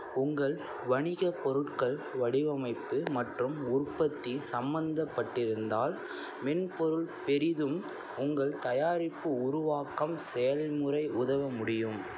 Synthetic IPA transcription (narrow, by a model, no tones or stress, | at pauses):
ʊŋɡɐɭ | ʋɐɳɪɣɐpɔɾɯʈkɐɭʋɐɽɪʋɐmɐɪpːɯmɐʈrɯmʊrpːɐt̪ːisɐmbɐnd̪ɐpːɐʈːɪɾɯnd̪aːl | mɛnpɔɾɯɭpɛɾɪðɯm | ʊŋɡɐɭt̪ɐjaːɾɪpːɯʊɾʊʋaːkɐmsɛjɐlmʊrɐɪʊðɐʋɐmʊɽɪjɯm